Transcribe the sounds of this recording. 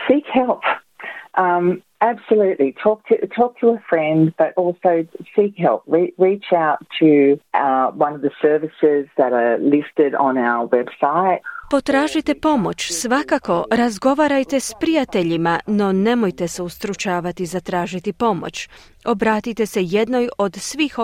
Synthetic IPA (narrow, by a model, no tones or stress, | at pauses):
sikhɛlˠp | ʔʌ̃m | æb̥səlʉʔlitʰɔk̚tʰɨtʰɔk̚tʰəəfɹɛ̃ndb̥ʌɾʔɔlˠsoʊsikɦɛlˠp̚ɹiɹit͡ʃaʊtʰɨ | wʌ̃nʌvðɨsɜ˞vɨsɪzðɨɾə˞lɪstɪɾn̩aʊə˞wɛb̥saɪt̚po̞t̪ɾaːʒit̪e̞po̞mo̞t͡ʃsʋakako̞ɾazɡo̞ʋaːɾajt̪e̞spɾijat̪e̞ʎimano̞ne̞mo̞jt̪e̞seust̪ɾut͡ʃaːʋat̪izat̪ɾaːʒit̪ipo̞mo̰t͡ʃ | o̞bɾaːt̪it̪e̞se̞je̞d̪no̞jo̞d̪sʋiːx